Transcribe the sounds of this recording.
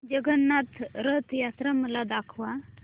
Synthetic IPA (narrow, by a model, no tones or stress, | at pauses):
d͡ʒəɡənːat̪ɾət̪jat̪ɾaməlad̪akʰʋa